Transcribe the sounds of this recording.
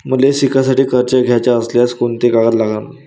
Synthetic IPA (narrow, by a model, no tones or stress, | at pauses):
m̤əlesikʰasaʈiːkəɾt͡ɕaɡʱjat͡ɕjaəsljaskont̪ekaɡət̪laɡan